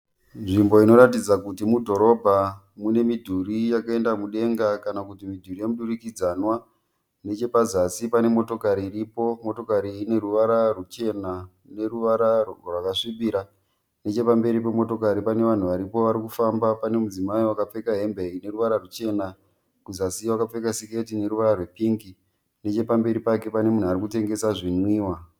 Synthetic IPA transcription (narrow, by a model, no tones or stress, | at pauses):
nʐimbo̞ino̞ɾatid͡zakutimudʱo̞ɾo̞bʱa | mune̞midʱuɾijakae̞ndamuɗe̞ŋɡakanakutimidʱurijemuɗuɾikid͡zanwa | ne̞t͡ʃe̞pazasipane̞mo̞to̞kaɾiːɾipo̞mo̞to̞kaɾiːne̞ruʋaɾarut͡ʃe̞na | ne̞ruʋaɾarwakaʂiɓiɾa | ne̞t͡ʃe̞pambe̞ɾip̬e̞mo̞to̞kaɾipane̞ʋan̤uʋaɾipo̞ʋaɾikufambapane̞mud͡zimaiwakap͡fe̞kaɦe̞mbeine̞ruʋaɾarut͡ʃe̞na | kuzasiwakap͡fe̞kasiketine̞ɾuʋaɾarwe̞piŋɡi | ne̞t͡ʃe̞pambe̞ɾipake̞pane̞mun̤uaɾikute̞ŋɡe̞saʐinwiːwa